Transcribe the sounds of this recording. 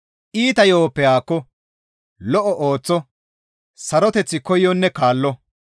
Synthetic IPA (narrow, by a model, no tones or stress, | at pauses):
ʔiːt̪ɐjoːpːɛjaːkːɔ | lɔʔɔʔoːt͡sːɔ | sɐɾɔt̪ɛt͡sːɪkɔjːɔnːɛkaːlːɔ